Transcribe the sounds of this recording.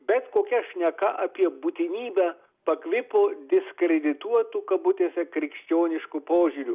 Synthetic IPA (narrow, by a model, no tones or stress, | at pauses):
bʲɛt̪koːkʲɛʃʲnʲɛkɐʔɐpʲiɛbuːt̪ʲɪnʲiːbʲæː | pɐkʋʲɪpoːd̪ʲɪsʲkɾʲɛd̪ʲɪt̪uɔt̪ukɐbʊt̪ʲeːsʲɛkɾʲɪkʃʲt͡ʃʲoːnʲɪʃkupoːʒʲʊɾʲu